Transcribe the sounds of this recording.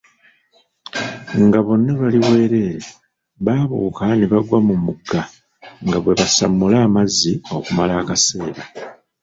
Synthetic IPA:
ŋɡaβo̞nːaβaliwe̞ːɾe̞ːe | βaːβuːkaneβaɡwamumuɡːa | ŋɡaβwe̞βasa̰mːulaːmazːio̞kumalaːkase̞ːɾa

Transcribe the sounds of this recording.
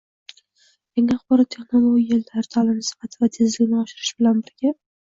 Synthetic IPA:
jaŋʲaaχbɒɾɒt̪̚t̪ʰeχnolˠoɡʲield̪ʰaɾt̪ʰalɪmɪsɨ̥fat̪ʰɪvat̪ʰezlɪɡʲnɪɒʃɪɾɪʃbɪlanbɪɾɡʲa

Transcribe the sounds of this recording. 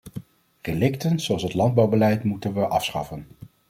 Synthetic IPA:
relɪktənz̥oɑlˠsɦətlɑnd̚bɑwbəlɛjtmutənʋəʔɑfsχɑ̰fən

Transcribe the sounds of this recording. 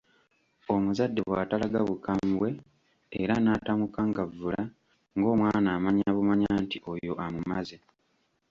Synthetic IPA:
o̞muzadːe̞βwaːtalaɡaβukambwe̞ː | ɾanaːtamukaŋɡavːula | ŋɡo̞ːmwaːnaːmaɲaβumaɲaːntiʔo̞jo̞ʔamumaze

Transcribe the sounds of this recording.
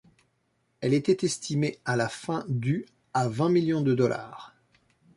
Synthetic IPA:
ɛlet̪ɛt̪ɛst̪ʰimealafɛ̃d̪y | avɛ̃miljɔ̃d̪əd̪ɔlʔa̰ːʁ

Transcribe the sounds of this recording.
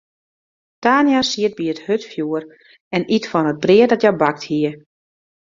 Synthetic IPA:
taːnjasiət̚biəthøtfjuər | ɛnitfɔnəd̚briədɔtjɛbak̚thiə

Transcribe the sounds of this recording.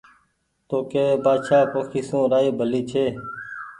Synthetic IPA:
t̪oːkeːeːbaːd̪ʃaːpoːkʰiːsõːɾaːeːbʱəliːt͡ʃʰeː

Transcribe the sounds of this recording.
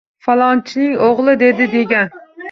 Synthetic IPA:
fɑlˠɑnt͡ʃʰinɪŋoʁlˠɨd̪ed̪ɪd̪eɡʲɛn

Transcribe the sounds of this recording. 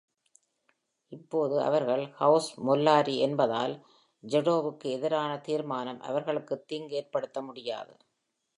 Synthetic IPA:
ɪpːoːðɯʔɐ̰ʋɐɾɣɐɭhɐʊsmɔlːaːɾiɛnbɐða̰ːl | d͡ʒɛɽoːʋɯkːɯɛðɪɾaːnɐt̪iːɾmaːnɐmʔɐ̰ʋɐɾɣɐɭɯkːɯt̪ːiːŋɡeːɾpɐɽɯt̪ːɐmʊɽɪja̰ːðɯ̰

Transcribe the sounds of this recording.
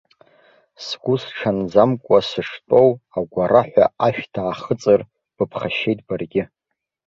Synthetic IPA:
sɡʷusʈ͡ʂʰand͡zamkʷʼasɨʂtʼo̞waɡʷaraħʷa̰aʃᶣtʰaːχət͡sʼɨr | b̥ɨpʰχaʃe̞jtʼbarɡʲɪ

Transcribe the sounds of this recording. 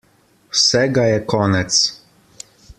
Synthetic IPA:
sɛɡajɛkɔnɛt̪s

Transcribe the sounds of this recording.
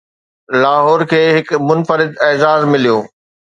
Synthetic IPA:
laːɦɔːɾkʰeːɦɪkmʊnfəɾɪd̪ɛːzaːzmɪlijoː

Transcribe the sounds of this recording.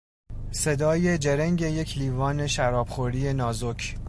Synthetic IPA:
se̞d̪ɒːje̞d͡ʒe̞ɾæŋɟe̞je̞cʰliːvɒːne̞ʃæɾɒːb̥χoɾiːje̞nɒːzocʰ

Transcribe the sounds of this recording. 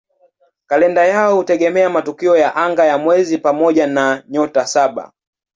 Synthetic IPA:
kalɛndajaɔhutɛɡɛmɛamatukiɔjaʔaŋɡajamwɛzipamɔʄanaɲɔtasaɓa̰

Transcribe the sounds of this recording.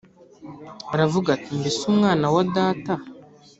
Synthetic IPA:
aɾavuɡatimbisumŋaːnawadaːta

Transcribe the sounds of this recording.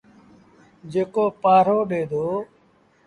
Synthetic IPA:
d͡ʒeːkoːpaːɾoːɗeːd̪ʱoː

